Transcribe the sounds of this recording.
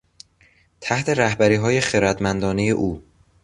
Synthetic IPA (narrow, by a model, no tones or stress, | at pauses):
t̪ʰæht̪ʰe̞ɾæhbæɾiːɦɒːje̞xeɾæd̪mænd̪ɒːne̞jḛʔuː